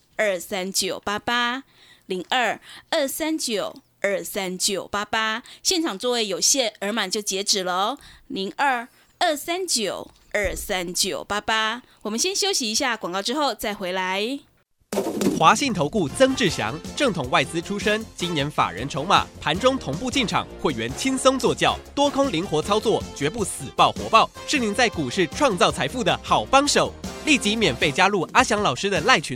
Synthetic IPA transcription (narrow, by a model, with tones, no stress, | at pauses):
ə˞˥˩sa˦nt͡ɕjo˨˩ʊpa˥pa˥ | li˧˥ŋə˥˩ə˥˩sa˦nt͡ɕjo˨˩ʊ | ə˥˩sa˦nt͡ɕjo˨˩ʊpa˥pa˥ɕjɛ˥˨nʈ͡ʂʰɑ˨˩ŋt͡swɔ˥˧we˥˩ɪjo˨˩ʊɕjɛ˥˩nə˞˧˥ma˨˩nt͡ɕjo˥˩ʊt͡ɕjɛ˧˥ʈ͡ʂɻ̩˨˩lə˦li˧˥ŋə˥˩ | ə˥˩sa˦nt͡ɕjo˨˩ʊ | ə˞˥˩sa˦nt͡ɕjo˨˩ʊpa˥pa˦˥wɔ˨˩mə˦nɕjɛ˥nɕjo˥ʊɕi˧˥i˧˥ɕja˥˩kwa˨˩ŋkɑ˥˧ʊʈ͡ʂɻ̩˦xo˥˨˧ʊt͡sa˥˩ɪxwe˧˥ɪla˧˦ɪ | xwa˧˥ɕi˥˩nt̪ʰo˧˥ʊku˥˩t͡sɤ˥ŋʈ͡ʂɻ̩˥˩ɕjɑ̰˧˥ŋʈ͡ʂɤ˥˩ŋt̪ʰʊ˨˩ŋwa˥˩ɪt͡sɹ̩˥ʈ͡ʂʰu˥ʂə˥ŋt͡ɕi˥njɛ˧˥nfa̰˨˩ɻə̰˧˥nʈ͡ʂʰo˧˥ʊma̰˨˩˦pʰa˧˥nʈ͡ʂʊ˥ŋt̪ʰʊ˧˥ŋpu˥˧t͡ɕi˥˩nʈ͡ʂʰɑ̰˨˩ŋxwe˥˩ɪɥɛ˧˥nt͡ɕʰi˥nsɤ˥ŋt͡swɔ˥˧t͡ɕjɑ˥˩ʊt̪wɔ˥kʰʊ˥ŋli˧˥ŋxwɔ˧˥t͡sʰɑ˥ʊt͡swɔ˥˩t͡ɕɥɛ˧˥p̬u˥˩sɹ̩˨˩pɑ˥˩ʊxwɔ̰˧˥pɑ˥˩ʊʂɻ̩˥˩ni˧˥nt͡sa˥˩ɪku˨˩ʂɻ̩˥˧ʈ͡ʂʰwɑ˥˧ŋt͡sɑ˥˩ʊt͡sʰa˧˥ɪfu˥˩d̪ə˩xɑ˨˩ʊpɑ˥ŋʂo˨˩˦ʊli˥˩t͡ɕi˧˥mjɛ˨˩nfe˥˩ɪt͡ɕja˥lu˥˩a˥ɕjɑ˧˥ŋlɑ˨˩ʊʂɻ̩˥d̪ə˨la˥˩ɪt͡ɕʰy˧˥